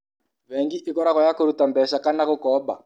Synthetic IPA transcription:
βɛŋɡiʔikɔɾakɔjakɔɾutambɛʃakanakɔkɔɓa̰

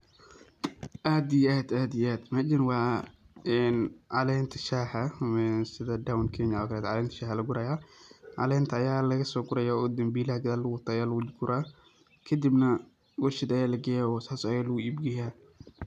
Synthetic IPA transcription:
ʔaːd̪ijɐʔaːd̪aːd̪ijaːd̪mad͡ʒɪnwɑː | ɛːnʕɑlɛːnt̪ʰɐ̥ʃaːħɐɛnsɪðɐd̪awnkʰɛɲaɔːkʰɐɾɛːt̪ʰʕɑlɛːnt̪ɐ̥ʃaːħalɐɡʊɾɐjaːʕɑlɛːnt̪ʰɐːjaːlɐɣɐsɔːɡʊɾɐjaːʊd̪ɐmbiːlɐhɐɡɐðɐlːɐwʊt̪ʰɐjaːlɐɣʊd͡ʒɡʊɾʔaː | kʰɐd̪ibnɐ | wɐʃɪd̪ɐjaːlɐɡɛjaːɔsaːsɔjaːlɐɣʊiːbɡɐjaː

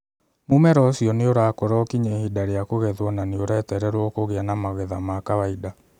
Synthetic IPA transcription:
mumɛɾɔsiɔneoɾakɔɾɔkiɲehidaɾeakoɣɛðwɔnaneoɾɛtɛɾɛɾwɔkoɣeanamaɣɛðamakawaida

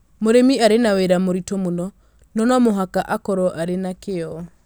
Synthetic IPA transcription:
moɾemiaɾenaweɾamoɾitomonɔ | nɔnwamoɦakaʔakɔɾɔʔaɾenakɪɔ

